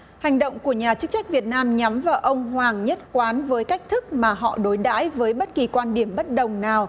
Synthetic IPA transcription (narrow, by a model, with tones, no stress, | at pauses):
ha˨˩jŋ̟ɗə̰˧˨wŋ͡mku˧˩əɲaː˨˩t͡ɕɨ˦˥k̚t͡ɕa˦˥k̟̚vi˨˩ət̚naː˧mɲa˨˦mvaː˨˩ʔə˧wŋ͡mɦwaː˨˩ŋɲə˦˥t̚kwaː˨˦nvəː˨˦jka˦˥jk̟̚t̪ʰɨ˦˥k̚maː˨˩ɦɔ̰˧˨ɗo˨˦jɗa̰ː˧˥jvəː˨˦jɓə˦˥t̚ki˨˩kwaː˧nɗi˧˩əmɓə˦˥t̚ɗə˨˩wŋ͡mnaː˨˩w